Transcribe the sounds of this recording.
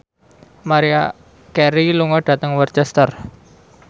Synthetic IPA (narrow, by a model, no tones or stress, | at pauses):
maɾia | kɛɾiluŋɔɖ̥a̤t̪əŋwərt͡ʃɛst̪ər